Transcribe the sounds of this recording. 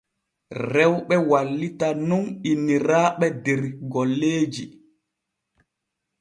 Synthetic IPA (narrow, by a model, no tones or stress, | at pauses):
rɛwɓɛwalːitanuninːiɾaːɓɛdɛɾɡɔlːeːd͡ʒi